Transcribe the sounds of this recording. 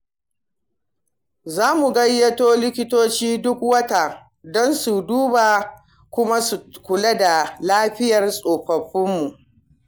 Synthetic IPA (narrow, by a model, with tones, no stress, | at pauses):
zaː˦mu˨ɡɐ˦jːɐ˦toː˦lɪ˦kʲɪ˦toː˦t͡ʃiː˦dʊ˦k̚wɐ˦ta˨ | dɔ˦nsu˨duː˦ba˨ | kʷʊ˦ma˦su˨kʷʊ˨la˦da˨laː˦ɸɪ˦jɐ˨rsʼoː˨ɸɐ˨ɸːɪ˦mːu˨ʔ